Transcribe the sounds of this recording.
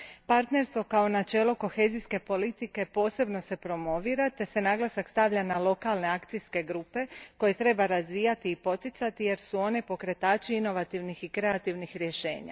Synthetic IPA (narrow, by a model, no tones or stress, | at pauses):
paɾt̪ne̞ɾst̪ʋo̞kao̞nat͡ʃe̞ːloko̞xe̞ːzijske̞po̞lit̪ike̞po̞ːse̞bno̞se̞pɾo̞mo̞ʋiːɾat̪e̞se̞naːɡlˠasakst̪aʋʎanalˠo̞kalˠne̞akt̪sijske̞ɡɾuːpe̞ko̞je̞t̪ɾe̞baɾazʋiːjat̪iːpo̞t̪it̪sat̪ije̞ɾsuo̞ne̞po̞kɾe̞t̪aːt͡ʃiino̞ʋat̪iʋnixikɾe̞at̪iʋnixɾje̞ʃe̞̰ːɲa̰